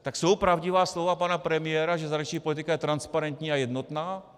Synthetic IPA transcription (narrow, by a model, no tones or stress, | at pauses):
t̪aksowpɾavɟivaːslovapanapɾɛmɪjɛːɾaʒɛzaɾɛt͡ʃɲiːpo̞lit̪ɪkajɛt̪ɾanspaɾɛnt̪ɲiːajɛd̪not̪naː